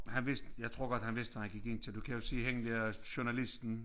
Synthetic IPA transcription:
hænʋe̝sd̥jɑ̈ɪt͡sʰʁo̝ɐɡ̥ɒd̥hænʋe̝sd̥ʋæhænɡ̥iɡ̥e̝nt͡sʰe̝ld̥ukʰæjo̝siːɦeŋəd̥eɐɕunælisd̥n̩

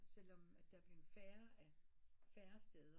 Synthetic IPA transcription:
sel̰ɒ̽mæd̥æb̥lefæːɐæfæːɐsd̥eð̞ˠɐ

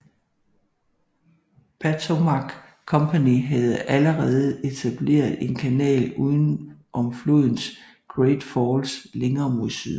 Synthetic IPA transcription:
pʰæt͡sʰomɑɡ̥ | kʰːɒ̽mpʰæniɦæð̞̩ˠʔæləʁɛːð̞ˠe̝t͡sʰæb̥le̝̰ːɐðˠe̝nkʰænɛ̰ːluːðˠn̩ʔɒ̽mfloð̰ˠn̩s | ɡ̥ʁed̥fɒːlsleŋɐːmusy̰ð̰ˠ

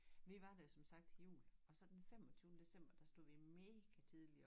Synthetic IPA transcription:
ʋiʋɑ̈d̥ɑjo̝sɒ̽msɑ̈ɡ̥̚d̥ijṵːlɒ̽sɒ̽d̥enfem̰ɒ̽t͡sʰyːʊnəd̥e̝sem̰b̥ɐd̥ɑ̈sd̥o̝ð̰ˠʋime̝ːɡ̥æt͡sʰið̞ˠliɐ

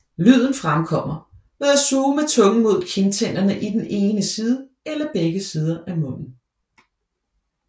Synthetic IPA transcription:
lyð̞̰ˠn̩fʁamkʰɒ̽m̰ɐ | ʋeæsuːmet͡sʰɔ̽ŋəmo̝ð̞̰ˠkʰe̝nt͡sʰen̰d̥ɐnəʔid̥ene̝ːnəsiːð̞ˠə | elɐb̥eɡ̥əsiːð̞ˠɐʔæmɔ̽n̰n̩

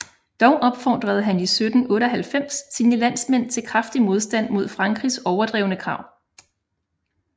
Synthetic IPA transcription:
d̥ɒʊʔɒ̽b̥fɒd̥ʁɐð̞̩ˠɦænisød̥n̩ɔ̽ːɾəɒɦælfem̰sːiːnəlæn̰smen̰t͡sʰe̝lkʰʁɑfd̥imo̝ð̞ˠsd̥æn̰mo̝ð̞̰ˠfʁɑ̈ŋɡ̥ʁisɒʊɐd̥ʁɛʊnəkʰʁɑ̈ʊ̰

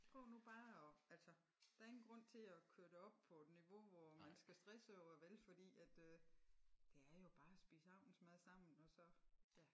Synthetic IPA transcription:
pʰʁɔʊ̰nub̥ɑ̈ːɒælsɒ | d̥ɑ̈ɐe̝ŋn̩ɡ̥ʁɔ̽n̰t͡sʰe̝lækʰøɐɾ̥e̝ɒ̽b̥pʰɒed̥niʋo̝ʋɒmænsɡ̥æsd̥ʁɛsəɒʊɐʋelfɒ̽d̥ḭːæd̥ø | d̥e̝æɐjo̝b̥ɑ̈ːæsb̥ḭːsəɑ̈ʊ̰n̩smɑ̈ːð̩ˠsɑ̈m̰n̩ɒ̽sɒ̽jæ

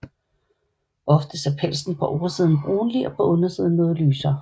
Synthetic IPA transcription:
ʔɒ̽fd̥əseɐpʰel̰sn̩pʰɒ̽ʔɒːɐsið̞ˠn̩b̥ʁuːnliɒ̽pʰɒ̽ʔɔ̽nɐsiːðˠn̩ːɔ̽ːðˠlyːsɐ

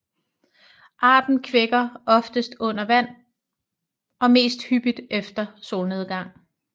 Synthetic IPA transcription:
ʔɑ̰̈ːd̥n̩kʰʋeɡ̥ɐɒ̽fd̥əsd̥ɔ̽n̰ɐʋæn̰ | ɒ̽me̝̰ːsd̥hyb̥id̥ʔefd̥ɐso̝ːlne̝ðˠɡ̥ɑ̈ŋ̰

